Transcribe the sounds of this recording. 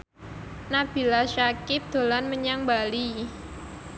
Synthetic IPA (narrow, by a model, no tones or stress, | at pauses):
nab̥i̤laʃakɪp̚d̪̥o̤lanməɲaŋbali